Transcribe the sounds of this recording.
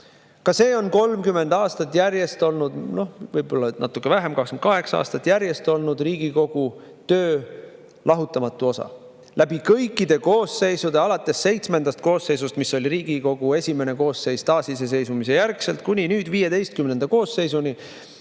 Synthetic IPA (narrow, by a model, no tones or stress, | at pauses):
kɑse̞ːo̞nko̞lmkymːe̞nd̪ɑːst̪ɑt̪ːˑjæɾje̞st̪o̞lnud̪no̞hvɤjbo̞lːɑnɑ̰t̪ːˑukːˑevæɦemkɑkskmnt̪kɑɦe̞ksɑɑ̰ːst̪ɑt̪ːˑjæɾje̞st̪o̞lnud̪riːɡ̥iko̞ɡ̥u | t̪ø̞ː | lɑɦut̪ːˑɑmɑt̪ːˑuo̞sɑ̰ | lʔæb̥ikɤjkˑːid̪̥e̞ko̞ːse̞jsud̪e̞ɑlɑt̪ːˑe̞sːe̞jt̪sme̞nd̪̥ɑst̪̚ko̞ːsːe̞js̬ust̪misːo̞lʲiɾiːɡ̥iko̞ɡ̥ue̞sʲime̞ne̞ko̞ːsːe̞jst̪ɑːsise̞s̬e̞jsumise̞jærkse̞lt̪̚kunʲinyːd̪̥viːje̞d̪e̞jst̪kymnend̪̥ɑko̞ːsːe̞jsuni